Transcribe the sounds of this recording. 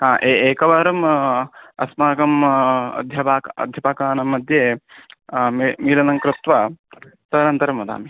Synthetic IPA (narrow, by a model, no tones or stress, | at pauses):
ɦaːʔeːeːkɐʋɐɾɐm | ɐ̰smaːkɐmɐ̰d̪ʱjɐpaːkɐ̰d̪ʱjɐpaːkaːnɐmːɐd̪ʱjeː | miːlɐnɐŋkɾɪt̪ʋɐt̪ɐnɐnt̪ɐɾɐmɐd̪a̰ːmi